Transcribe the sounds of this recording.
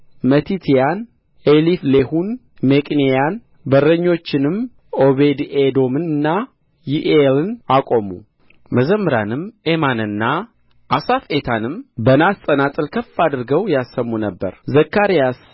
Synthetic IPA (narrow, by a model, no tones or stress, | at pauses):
mət̪ʰit̪ʰijan | eliflehun | mekʼnejan | bəɾəɲːo̞t͡ʃːɪnɨm | o̞βed̪ed̪o̞mɨnɨnːa | jiʔelɨnakʼo̞mṵ | məzəmːɨɾa̰nɨmemanɨnːa | ʔasafe̞t̪ʰanɨmbənast̪ʼənat̪ʼɨlkʰəfad̪ɨɾɡəwjasːəmːunəbːə̰ɾzəkːaɾijas